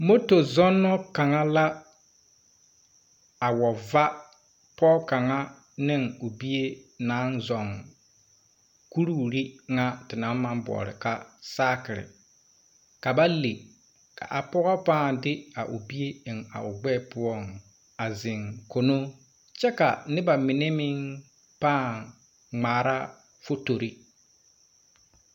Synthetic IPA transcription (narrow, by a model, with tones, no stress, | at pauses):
mo˦to˨zɔ˦nːɔ˦ka˨ŋa˦la˦ | a˨wɔ˨va˦ | pɔ˦ka˨ŋa˦ | nɪ˦ŋʊ˨bi˦e˦naː˨˦nzɔ˨ŋ | ku˦ɾu˦˨ɾi˦ŋa˦tɪ˨na˨˦mã˦mbɔ̰˨ɾɪ̰˨ka˦saː˦kɪ˨ɾɪ̰˨ | ka˨ba˦le˨ | ka̰˨ʔa˨pɔ˦ɣɔ˦paː˦˨ndɪ˦a˨ʔʊ˨bi˦e˦ɪ˨ŋa̰˨ʔʊ˨ɡ͡bɛː˦˨pʊ˦ɔ˦ŋ | a˨zɪ˨ŋko˨no˦ | t͡ʃɛ˦ka̰˨nɪ˦ba˨mɪ˨ne˦mɪ˦ŋ | paː˦˨ | ŋ͡maː˨ɾa˦ | fo˦to˨ɾi˦